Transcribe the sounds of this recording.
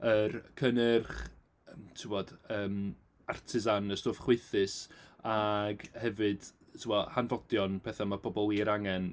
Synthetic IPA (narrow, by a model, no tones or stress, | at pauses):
ərkʰənɪrχ | ətʰɪwɔd̥əːm | artʰɪzanəstoːfχweθɨsaɡhɛvɨd̥tʰɪwɔhanvɔdjɔnpʰɛθamapʰɔbɔlˠiɾaŋɛn